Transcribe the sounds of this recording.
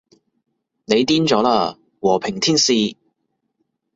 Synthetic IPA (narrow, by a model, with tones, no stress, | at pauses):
ne˨˧jt̪iː˥nt͡ʃɔː˨˥laː˧ | wɔː˨˩pʰɪ˨˩ŋt̪ʰiː˥nsiː˧